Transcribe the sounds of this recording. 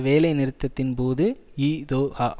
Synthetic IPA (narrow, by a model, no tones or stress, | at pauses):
ʋeːlɐɪnɪɾɯt̪ːɐt̪ːɪnpoːðɯiːd̪oːhɐ